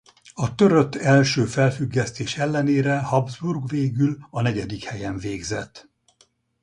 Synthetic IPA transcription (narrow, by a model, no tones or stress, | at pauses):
ɒt̪ø̞ɾøt̪ːɛlʃøːfɛlfyɡːɛst̪eːʃɛlːɛneːɾɛhɒbzburɡveːɡylɒnɛɟɛd̪ikhɛjɛɱveːɡzɛt̪ː